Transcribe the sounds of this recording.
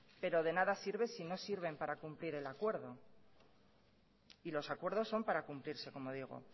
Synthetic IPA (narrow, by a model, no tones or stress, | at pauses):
pe̞ɾo̞ð̞e̞naðasiɾβesino̞siɾβ̞e̞mpaɾakumpliɾe̞lakwe̞ɾðo̞ | ilo̞sakwe̞ɾð̞o̞sːo̞mpaɾakumpliɾse̞ko̞mo̞ð̞iɣ̞o̰